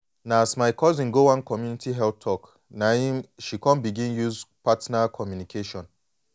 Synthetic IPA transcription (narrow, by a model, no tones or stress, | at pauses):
naasmaɪkɔzĩnɡowãnkɔmjunitʰiɦɛlp̚tʰɔk | naĩmʃikɔ̃nbiɡĩnjuzpatnakʰɔmjunikʰeʃɔ̃n